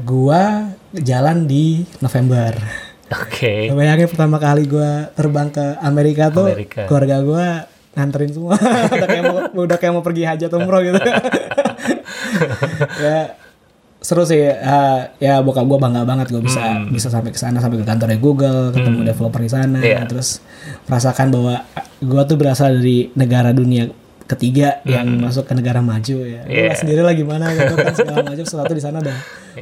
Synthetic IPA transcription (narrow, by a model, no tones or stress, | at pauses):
ɡuad͡ʒalandinofembər | okʰesəbajaŋapərt̪amakaliɡuat̪ərbaŋkəameɾikat̪ukluarɡaɡua | ŋant̪əɾɪnsəmuadaamdakjamopərɡiɦad͡ʒat̪umɾoɡit̪u | ja | st̪əɾʊs̬ɪəjabuakaɡuabaŋɡabaŋət̪̚ɡuabisabisasampɛkə̥sanas̬ampakəɡant̪̬ɔrdaɡuɡəlkət̪əmudeflɔpərisanat̪əɾʊs | məɾasakanbawaɡuat̪̬ubəɾasaldaɾinəɡaɾadunia | kət̪iɡajaŋmas̬ʊkːənəɡaɾamad͡ʒujaɡuasəndiɾilaɡimanaɡit̪uansəɡalamad͡ʒusəat̪udis̬anadaŋ